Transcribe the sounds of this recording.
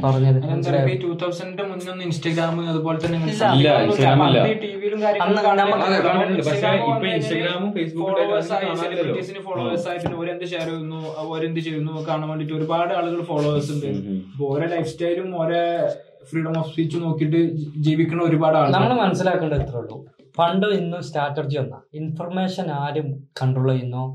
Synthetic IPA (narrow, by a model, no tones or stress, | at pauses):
pɐrɐɲːɐðɐɐnɐɾɐpituːt̪ʰːɐwsɐndemuɲːo̞nːɨinsʈɐɡɾaːmɨɐðubo̞ːlet̪ːɐnːeiŋːɐɭːɐiɐɡaːmilːɐd̪iʈːiʋijilumkaːɾjɐŋɐɐːɐkaːɳːɐɐkaɳɐeɖiɐɐaipːoinsʈːɐɡɾaːmumfejsbukoːɭoːesaːjaːʈːiːsinɨfoːɭoːʋesaːjɐt̪inːeoːɾend̪ɐɕeːɾɐjunːu | oːɾend̪ɨt͡ɕejunːukaːɳaːmʋeɳɖiʈːo̞ɾubaːɽɨɐɭuɣɐɭfoːɭoːesuɳɖɨipːooːɾelɐjfstɐjlumoːɾe | friːɽɐmoːfswiːt͡ɕːuno̞ːkːiʈːɨd͡ʑiːʋikʲːuɳːɐoɾubaːɽaːnɐmːɐɭɨmɐnɐsːilaːkːuɳɖɐet̪ːrɐɭːṵ | pɐɳɖoinːustaːʈːɐrd͡ʑijonːɐinfɐrme̞ːʂɐnaːɾumkɐɳɖroːɭːoinːu